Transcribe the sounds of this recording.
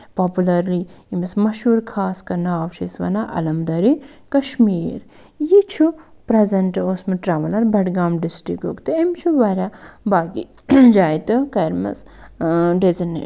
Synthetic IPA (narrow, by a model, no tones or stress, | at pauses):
pɔːpulɐɾliimismɐʃuːɾkʰaːskɐɾnaːʋt͡ʃʰisʋɐ̰naʔɐ̰lɐmd̪ɐɾikɐʃmiːɾ | jit͡ʃʰupɾezɐnʈoːsmɨʈɾaːʋɐlɐɾbɐʈɡaːmɖisʈɾiko̰kt̪ɨɐmt͡ʃʰuʋɐɾʲabaːɡḭ | d͡ʒaːjt̪ɨkɐɾmɐ̰s | ɖezinːḛ